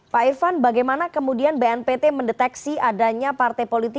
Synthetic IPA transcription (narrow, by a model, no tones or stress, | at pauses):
paifanbaɡajmanakəmudianbeɛnpet̪eməndɛt̪ɛksiadaɲapart̪ɛjpolit̪ɪ